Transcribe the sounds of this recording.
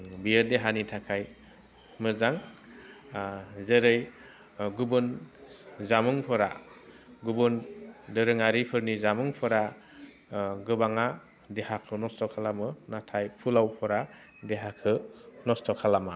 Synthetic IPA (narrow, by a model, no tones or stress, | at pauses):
bijəɾdeɦanitʰakʰaj | mɯzaŋ | zeɾɯj | ɡubɯn | zamɯŋpʰɔɾa̰ | ɡubɯndɯɾɯŋaɾipʰɯɾnizamɯŋpʰɯɾa | ɡɯbaŋa | dehakʰɯnɔstɔkʰalamɯnatʰajpʰulawpʰɔɾa | deɦakʰɯnɔstʰɔkʰalama